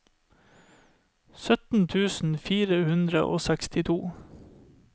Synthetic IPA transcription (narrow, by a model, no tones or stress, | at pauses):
sœt̪n̩t̪ʰʉːsn̩fiːɾəhʉnd̪ɾə̰ʔo̰ːsækst̪ɪt̪ʰuː